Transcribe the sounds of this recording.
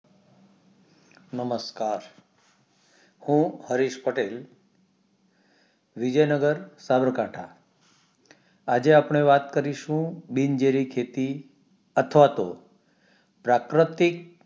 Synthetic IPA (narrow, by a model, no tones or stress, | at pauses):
nəməskaɾ | hũhəɾiʃpəʈel | ʋid͡ʒəjnəɡəɾsabəɾkaʈʰa̰ | ad͡ʒeapɳ̃eʋat̪kəɾiʃũbind͡ʒeɾikʰet̪i | ət̪ʰəʋat̪o̰ | pɾakɾət̪ik̚